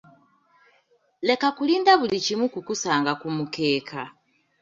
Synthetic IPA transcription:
le̞kakuliːndaβulicimwukukusaːŋɡakumuke̞ːkʰa

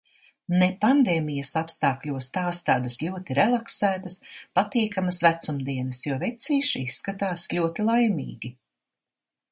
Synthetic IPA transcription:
nepand̪eːmʲijɐsapst̪aːklʲuɔst̪aːst̪aːd̪ɐslʲuɔt̪iɾɛlˠaksæːt̪ɐspat̪iɛkamɐsvæt̪sumd̪iɛnɐsjuɔːvɛt̪siːʃisːkat̪aːslʲuɔt̪ilˠajmḭːɡʲi

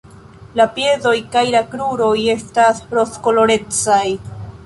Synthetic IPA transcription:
lapje̞zo̞jkajlakɾuɾo̞je̞staspɾo̞sko̞lo̞ɾe̞t͡saj

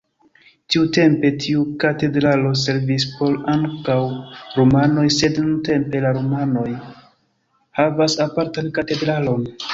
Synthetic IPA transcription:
tiute̞mpe̞tʰiukate̞dɾalo̞s̬e̞ɾvispʰo̞laŋkawɾomano̞jse̞dnunte̞mpe̞laɾomano̞j | havasapaɾtankate̞dɾalo̞n

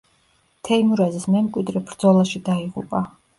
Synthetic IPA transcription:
t̪ʰɛimuɾɛzismɛmkʼwid̪ɾibɾd̪zɔlaʃid̪aiʁṵpʼa

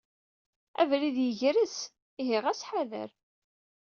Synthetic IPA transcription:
æ̰vliðjəʝɾəs | iɦɪʁæsħaðə̰ɾ

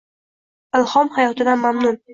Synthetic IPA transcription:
ɪlˠhɒmhajɒt̪ʰɪd̪anmamnʊn

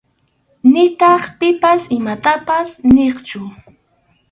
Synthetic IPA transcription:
nɪt̪ɑχpɪpasɪmat̪apasneχt͡ʃʊ

